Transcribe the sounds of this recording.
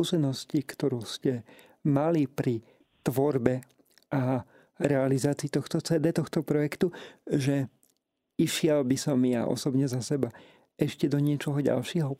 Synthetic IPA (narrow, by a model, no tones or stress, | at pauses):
kuːsɛnɔscikt̪ɔɾuːscɛ | malipɾi | t̪ʋɔɾbɛ | ʔa | ɾɛalizaːt͡siːt̪ɔxt̪ɔt͡sɛːd̪ɛːt̪ɔxt̪ɔpɾɔjɛkt̪uʒɛ | iʃɪɛlbisɔmja̰ʔɔ̰sɔbɲɛzasɛba | ɛʃcɛd̪ɔɲɪɛt͡ʃɔɦɔɟa̰lʃɪɛɦɔ